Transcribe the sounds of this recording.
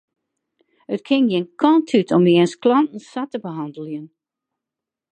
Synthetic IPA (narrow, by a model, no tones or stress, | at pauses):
ətkʰɪŋjɪnkʰɔntʰytʰɔmiənsklɔntn̩satəbəɦɑndəlˠjən